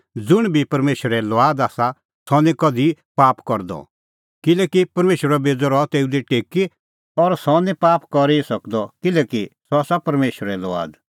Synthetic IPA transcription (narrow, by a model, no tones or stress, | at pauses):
d͡zʊɽ̃bʱipɐɾmeːʃəɾɛlɔaːd̪aːsa | sɔnĩkɔd̪ʱipaːpkɔɾd̪ɔ̰ | kɪlɛːkipɐɾmeːʃəɾɔbeːd͡zɔɾɔt̪eːud̪iʈeːki | ɔɾsɔnĩpaːpkɔɾisɐkd̪ɔkɪlɛːkisɔaːsapɐɾmeːʃəɾɛlɔa̰ːd̪